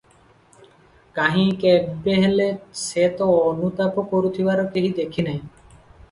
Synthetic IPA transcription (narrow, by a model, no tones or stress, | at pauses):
kaɦĩkebbeɦeleset̪oonut̪apokoɾut̪ʰibaɾokeɦid̪ekʰinɛj